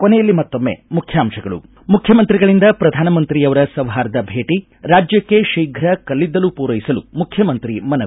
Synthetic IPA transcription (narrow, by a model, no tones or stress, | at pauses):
konɛjɐlːimɐt̪ːomːḛmukʰjaːmʂɐɡɐɭṵ | mukʰjɐmɐnt̪ɾiɡɐɭind̪ɐpɾɐd̪ʱaːnɐmɐnt̪ɾijɐʋɐɾɐsɐʋɦaːɾɐd̪ɐbʱeːʈi | ɾaːd͡ʒjɐkːe̞ʃiːɡʱɾɐkɐlːid̪ːɐlupuːɾɐjisɐlṵmukʰjɐmɐnt̪ɾimɐnɐ